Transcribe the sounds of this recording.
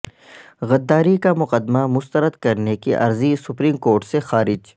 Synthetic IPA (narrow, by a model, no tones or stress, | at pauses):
ɣɐd̪ːaːɾikamʊqəd̪mamʊst̪əɾəd̪kɐɾnekiʔɐ̰ɾzisʊpɾiːmkoːɾʈsexaːɾɪd͡ʒ